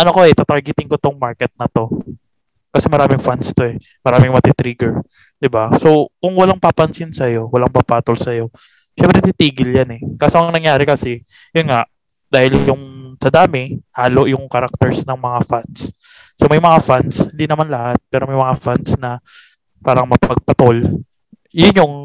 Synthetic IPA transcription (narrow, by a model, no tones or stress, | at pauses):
ʔɐnokoɛt̪at̪ɐɹɡɪt̪ɪŋkot̪oŋmaɹkɛt̪̚nɐt̪o̞ | kɐsɛmɐɾaːmɪŋfanst̪o̞ɛ | mɐɾaːmɪŋmɐt̪it̪ɾiːɡɛɹ | d̪̥ɪbasokʊŋwɐlaŋpapɐnsɪnsɐjo̞wɐlaŋpapaːt̪olsɐjo̞ | ʃɛmpɾɛt̪it̪iːɡɪljanɛkasomŋnɐŋjaːɾɛkɐsɛ | jʊnŋaʔ | d̪̥aːhɪljʊŋsɐd̪aːmɪhaːloʔjʊŋkɐɾak̚t̪ɛɹsnɐŋmɐŋafans | somɐjmɐŋafanshɪnd̪iːnɐmanlɐhat̪̚pɛːɾomɐjmɐŋafansnɐ | paːɾɐŋmɐpɐɡ̚pɐt̪ol | jʊnjoŋ